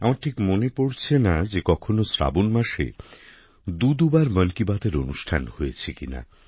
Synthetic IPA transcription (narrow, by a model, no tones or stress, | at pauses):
amaɾʈʰikmonepoɽt͡ɕʰenad͡ʑekɔkʰonosɾa̰bonmaʃḛ | d̪ud̪ubaɾmənkibad̪eɾonuʃʈʰanhojet͡ɕʰekina̰